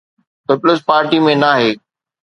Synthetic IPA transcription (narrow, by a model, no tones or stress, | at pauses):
pɪplɪspaːɾʈimẽnaːɦeː